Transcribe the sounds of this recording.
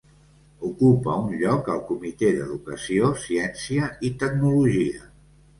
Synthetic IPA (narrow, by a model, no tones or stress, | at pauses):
ukupəunʎɔkəlˠkumit̪ed̪ə̰ðukəsiosiɛnsiəit̪ək̚nuluʒiə